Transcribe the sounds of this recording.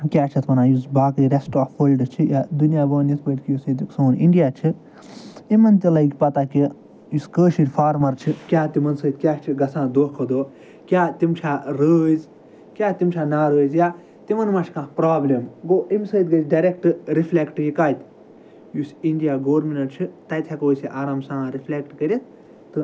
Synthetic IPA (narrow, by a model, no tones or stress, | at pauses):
kʲjaːt͡ʃʰɐt̪ʰmɐnãːjusbaːkiɾesʈaːfːoːlɖt͡ʃʰijaːd̪unijaːbəːnit̪ʰbəjt̪ʲkjusit̪iksoːniɳɖijaːt͡ʃʰi | imɐnt̪ʲilɐjkʲpɐt̪aːki | juskəːʃiɾʲfaːɾmɐɾt͡ʃʰikʲjaːt̪imɐnsəːt̪̚kʲjaːt͡ʃʰiɡɐsãːd̪oːkʰod̪oː | kʲaːt̪imt͡ʃʰaːɾəːzʲ | kʲjaːt̪imt͡ʃʰaːnaːɾəːzʲjaː | t̪imɐnmɐt͡ʃʰkãːpɾaːblʲɐmɡoːʔimʲsəːt̪ɡɐt͡ʃɖɐɾʲek̚ʈɨɾifʰlʲekʈjikaːt̪ʲ | jusiɳɖijaːɡoːɾminɐɾt͡ʃʰit̪ɐjt̪ʰekoːsiʔaːɾaːmsãːɾifʰlʲekʈkɐɾʲit̪ | t̪ɨ